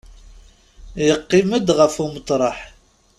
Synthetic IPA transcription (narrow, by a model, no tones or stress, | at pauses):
jəqːiməd̪ʁəfumət̪ˤɾˤɑħ